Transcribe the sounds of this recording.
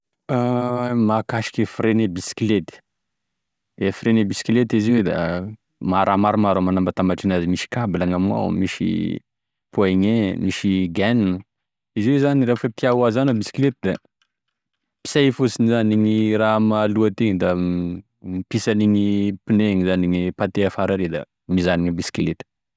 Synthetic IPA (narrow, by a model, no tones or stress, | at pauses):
amakaʃi̥kʲefiɾenebisi̥kilet̪i̥ | efɾenebisi̥kilet̪iziwed̪a̰ | maɾamaɾumaɾamanambat̪ambaʈ͡ʂinazimiʃi̥kabilaŋama̰w̰miʃḭ | pwaɲemiʃiɡɛnnə | iziwezaniɾafət̪iauazanabisi̥kilet̪̚d̪a | pi̥safusinizaniɲiɾamaluat̪iɲid̪a | mipisaniɲipineŋizaniɲipat̪eafaɾaɾed̪a̰ | mizaniɲabisi̥kilet̪